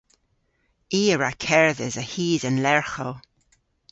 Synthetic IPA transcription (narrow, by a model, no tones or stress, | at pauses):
iːəɹakʰɛɹðɪzəhiːzənlɛɹxəl